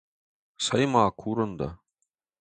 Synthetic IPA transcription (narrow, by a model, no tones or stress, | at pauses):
sɑjmɑːkʰuɾɤ̆nd̪ɑ̰